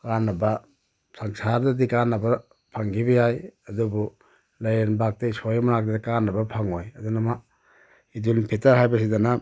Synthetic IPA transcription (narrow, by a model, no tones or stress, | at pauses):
kanːɐbɐ | saŋsaɾdadikanːɐbɐ | pʰaŋɡibɐjajɐdubu | lajenbak̚teisojmanak̚dakanːɐbɐpʰaŋojɐdunama | idulpʰetaɾɦajbɐs̬idana